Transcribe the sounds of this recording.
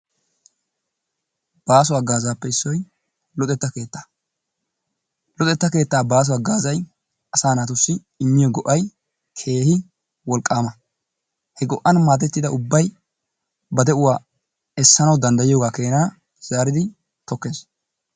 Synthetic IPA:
b̥aːs̬ʊwaːɡaːzaːpːɛɪsːɔj | lɔt̪ʼɛt̪ːɐke̞ːt̪ːḁː | lɔt̪ʼɛt̪ːɐke̞ːt̪ːaːbaːs̬ʊwaːɡaːzɐj | ɐsaːnaːt̪ʊsːɪ | ɪmːɪjɔɡɔʔɐj | kʰe̞ːhɪ | wɔlkʼːaːmɐ | hɛɡɔʔːɐnmaːt̪̬ɛt̪ːɪd̪ɐʊbːɐj | bɐd̪ɛʔʊwaː | ɛsːɐnɐwd̪ɐnd̪ɐjɪjoːɡaːke̞ːnaː | z̥aːɾɪd̪ɪ | t̪ɔkːe̞ːs

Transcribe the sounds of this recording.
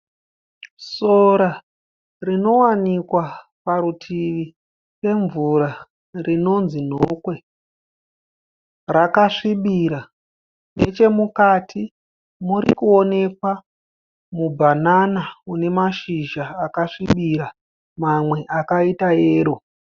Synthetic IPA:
so̞ɾa | rino̞wanikwa | paɾutʰiʋi | pe̞ɱvuɾa | rino̞nzin̤okwe̞ | rakaʂiɓiɾa | ne̞t͡ʃe̞mukatʰi | muɾḭkuo̞ne̞kwa | mubʱananaune̞maʃiʒaːkaʂiɓiɾa | mamwe̞ʔakaitaeːɾo

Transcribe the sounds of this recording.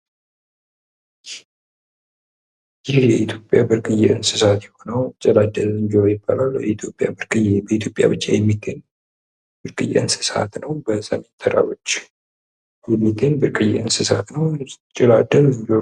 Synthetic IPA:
jɪhjɛʔit̪ʰjo̞pʼjabɨɾkʼɨjɛʔɨnsɨsat̪jɛho̞nəwt͡ʃʼɛlad̪əlɨɲd͡ʒiɾojɪbːa̰laljɛit̪ʰjo̞pʼːjabɨɾkʼɨjbəit̪ʰjo̞pʼja̰bɨt͡ʃʼːejɛmːiɡ̪eɲ | b̥ɨɾkʼɨjɛ̰ʔɨnsɨ̥sa̰t̪nəwbəsəme̞nt̪ʰəɾa̰wo̞t͡ʃː | jɛmːiɡ̪eɲbɨɾkʼɨjɛ̰ʔɨnsɨsat̪nəwt͡ʃʼɪlad̪əlɨɲd͡ʒo

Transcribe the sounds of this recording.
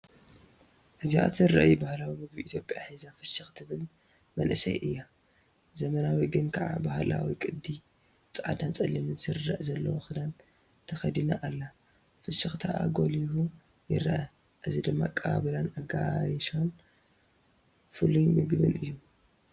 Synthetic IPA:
ʔɨziʔa̰t̪zɨɾɐ̰ʔjubahlawimɨɡ̚biʔit̪ʰjo̞pʼjaħizafɨʃɨxt̪ʰɨβɨl | mɐnʔɨsɐ̰jʔɨjːa | zɐmɐnawiɡɨnkʰɐʕa̰bahla̰wikʼɨd̪ːi | t͡sʼʕa̰d̪ant͡sʼɐlːimɨzɨɾːɐʔzɐlːɐwoxɨd̪an | t̪ʰɐxɐd̪inaʔalːa | fɨʃɨxt̪ʰaʔa̰ɡo̞lihu | jɪ̰ɾɐʔɐ | ʔɨzid̪ɨmːakʼɐβa̰βɨlanaɡajʃon | fɨlujmɨɡbɨ̰nʔɨjːu

